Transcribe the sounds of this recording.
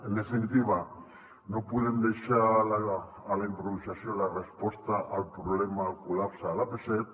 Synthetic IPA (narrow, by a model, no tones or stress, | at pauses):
enesent̪iβa | nopuðend̪eʃalalaː | lejmpɾousasiolarespo̞st̪aʔalpɾoβlemakulapsaːlapeset̪